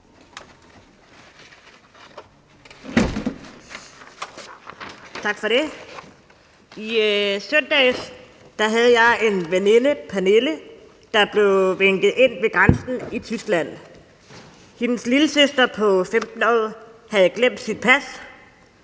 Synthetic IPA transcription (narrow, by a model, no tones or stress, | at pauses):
t͡sʰɑ̈ɡ̥fɒ̽ɾe̝ | isœn̰d̥ɛ̰ːs | d̥ɑ̈ɦæð̞̩ˠjɑ̈ɪʔe̝nʋene̝nəpʰæne̝lə | d̥ɑ̈b̥le̝ʋeŋ̰ɡ̥ð̩ˠe̝n̰ʋe̝ɡ̥ʁansn̩it͡sʰysɡ̥læn̰ | he̝nəsliləsøsd̥ɐpʰɒ̽femd̥n̩ɒðˠhæð̩ˠɡ̥lem̰d̥sid̥̚pʰæs